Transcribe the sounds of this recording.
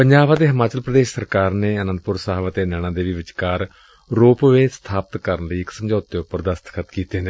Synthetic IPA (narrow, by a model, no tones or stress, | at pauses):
pəɲd͡ʒaːbãːd̪eːɦəmaːt͡ʃəlpɾəd̪eːʃsəɾkaːɾneːənə̃nd̪pʊɾsaːʋaːt̪eːnɛːɽ̃ãːd̪eːʋiːʋɪt͡ʃkaːɾ | ɾoːpʋeːst̪ʰaːpət̪kəɾənləiːɪksəmd͡ʒɔːt̪ːeːʊpəɾd̪əst̪kʰət̪kiːt̪eɦnd̪e